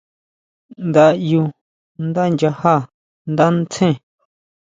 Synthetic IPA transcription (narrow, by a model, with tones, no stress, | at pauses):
nd̪a˧ju˧ | nd̪a˦˧nd͡ʒa˧ha˦˨ | nd̪a˦nt͡sʰẽ˦˨